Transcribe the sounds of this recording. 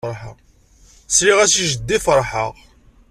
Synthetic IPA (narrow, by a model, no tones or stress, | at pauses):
ɾˤħə̰ | sɾiʁæsiʒəd̪ːifəɾˤħəʁ